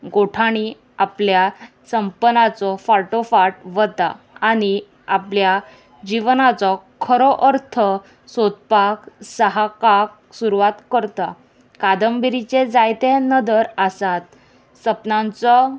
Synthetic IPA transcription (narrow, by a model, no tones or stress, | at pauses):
ɡoʈʰaɽ̃i | aplja | səmpənat͡sɔfaʈofaʈʋət̪aː | ñi | apja | d͡ʑiʋnat͡sɔkʰəɾɔʔəɾt̪ʰə | sod̪̚paksəɦakak̚ | suɾuʋat̪kəɾt̪a | kad̪əmbiɾit͡ɕed͡zajt̪ẽnəd̪əɾəsat̪ | səpnãnt͡sɔ